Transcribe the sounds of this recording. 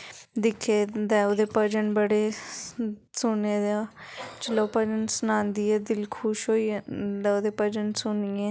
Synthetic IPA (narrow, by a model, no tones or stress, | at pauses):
d̪ɪkʰːeːd̪ɛːod̪eːpəd͡ʒənbəɽeː | sʊneːd̪aːt͡ʃəloːpəd͡ʒənsənãːnd̪iːɛːd̪ɪlkʰuːʃɦoːiːd̪ɛːoːd̪eːpəd͡ʒənsʊniːeː